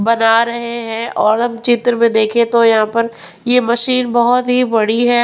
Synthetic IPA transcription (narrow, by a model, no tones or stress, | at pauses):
bɐnaːɾɐɦeɦɛ̃ʔɔːɾɦɐmt͡ʃɪt̪ɾmẽd̪eːkʰẽt̪ojɐɦãpɐɾ | jemɐʃiːnbɐɦʊt̪ɦibɐɽiɦɛː